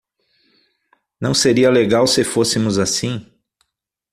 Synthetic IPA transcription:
nɐ̃w̃seɾiɐleɡawsɪfosɪmʊzasĩ

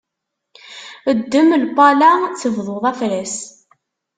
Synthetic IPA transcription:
əd̪ːəmlpɑlæt͡sːəvðˤoðˤæflæs

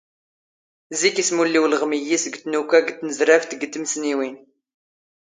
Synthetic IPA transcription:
zikismulːiwlʁmijisəɡt̪nukæɡt̪ːnəzɾæft̪ɡt̪ːəmsniwin

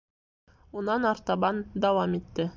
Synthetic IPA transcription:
unɑnɑɾt̪ɑbɑnd̪ɑwɑmit̪ːɘ

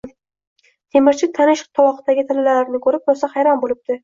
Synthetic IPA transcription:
t̪ʰe̞mɪɾt͡ʃʰɪt̪ʰanɪʃt̪ʰɒwɒχt̪aɡʲɪt̪ʰɪlɪlalaɾɪnɪkʰɵɾɪp̚bosahajɾɒnbolɪb̚d̪ɪ

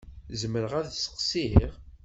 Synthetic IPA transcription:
zəməɾəʁæðsə̥qsiiʁ

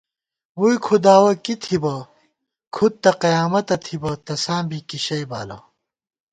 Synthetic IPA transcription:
wujkʰud̪aːwɐkit̪ʰibɐ | kʰud̪̚t̪ːɐqɐjaːmɐt̪ɐt̪ʰibɐt̪ɐsãːmbikiɕɐjba̰ːlɐ̰

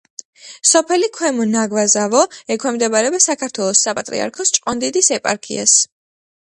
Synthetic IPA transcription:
sɔpʰɛlikʰwɛmɔnaɡvazavɔɛkʰwɛmd̪ɛbaɾɛbasakʰaɾt̪ʰwɛlˠɔsːapʼat̪ʼɾḭa̰ɾkʰɔst͡ʃʼqʼɔnd̪id̪isɛpʼa̰ɾkʰḭa̰s

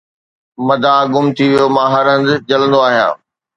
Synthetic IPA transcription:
mɐd̪ʱãɡʊmt̪ʰiʋijomãːɦɐɾə̃nd̪ɪd͡ʑɐlə̃nd̪oaːɦijã̰ː

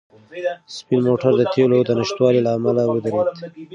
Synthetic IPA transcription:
spilmoʈaɾd̪ət̪ʰelod̪ənɪʃt̪wɑlilaːmalawəd̪aɾed̪

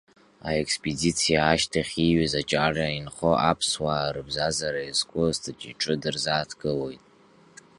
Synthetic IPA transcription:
aekʼspʼedit͡sʰijaːʃtʰaχʲiɥazat͡ʃʼarainχoʔapʰswaːɾɨbzazaɾaizkʷʼʊztʰat͡ʃʼiʈ͡ʂʼɨdɨrzaːtʰɡʼɨlo̞jtʼ

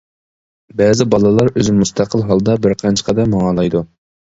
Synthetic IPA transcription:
bɛːzɪbɑlˠɨlˠɑɾøzɪmːust̪ʰæqʰəlˠɦɑlˠd̪ɑbɪɾqʰɑnt͡ʃʰə̥qʰɑd̪ɑmɑŋɑlˠɑjd̪u

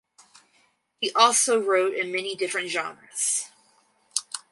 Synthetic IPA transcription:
hiʔɔlˠsoʊɹoʊɾɨ̃nmɛnidɪfɹɨ̃ntʒ̥ɑ̰̃nɹɨz̥

